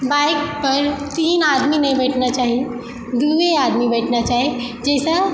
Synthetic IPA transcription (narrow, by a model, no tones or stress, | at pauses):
baːɪkpɐɾt̪iːnaːd̪minɐɦĩbɛːʈʰnat͡ʃaːɦi | d̪uʋeaːd̪mibɛːʈʰnat͡ʃaːɦid͡ʒɛːsa